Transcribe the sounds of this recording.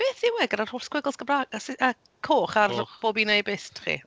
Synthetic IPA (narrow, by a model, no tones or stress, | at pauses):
b̥eːθiwɛɡəɾar̥hʊrskʰwɪɡlˠsɡ̥əbraːɡasʔə | kʰoːχarb̥oːbinejbɪstʰχḭ